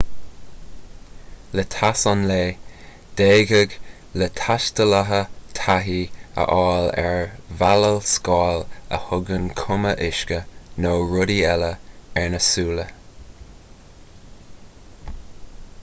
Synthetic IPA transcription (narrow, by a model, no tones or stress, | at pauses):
lət̪ʰasɔnleː | d̪̥eːɡəɡ | lət̪ʰaʃt̪əlaɦət̪ʰaɦiə̰ʔɑːlɛ̰ɹvaləlskɑːlə̰hʊɡənkʰʊməʔɪʃkənoːɹʊdiɛləɛɹnəsuːlə